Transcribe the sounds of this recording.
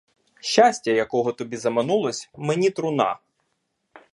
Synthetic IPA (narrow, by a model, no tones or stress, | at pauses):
ʃʲt͡ʃasʲtʲɐjɐkɔɦɔt̪ɔbʲizɐmɐnulˠɔsʲmenʲit̪ɾʊnɑ̰